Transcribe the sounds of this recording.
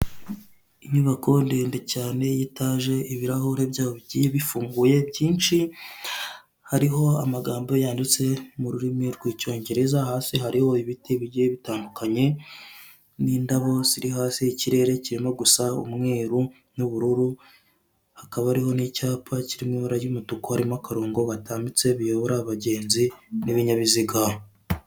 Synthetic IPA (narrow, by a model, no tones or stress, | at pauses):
iɲuβakʰo̞ndeːndecaːne̞jitaʒe̞iβiɾahuɾe̞bɟaːβo̞βiɟijeβifuːŋɡuje̞bɟiːnʃi | haɾiɦo̞a̰maɡaːmbo̞jaːndit͡se̞muɾuɾimiɾɡwiːco̞ːɲɟe̞ɾe̞zaɦaːsiɦaɾiho̞iβitiβiɟijeβitaːndukaɲe̞ | niːndaβo̞z̥iɾihaːsiciɾe̞ɾe̞ciɾimo̞ɡusaṵmŋe̞ːɾu | nuβuɾuɾu | hakaβaɾiho̞nicaːpʰaciɾimiβaɾajumutukohaɾimakaɾoːŋɡo̞βatʰaːmbit͡se̞βijo̞βoɾaːβaɟe̞ːnziniβiɲaβiziɡa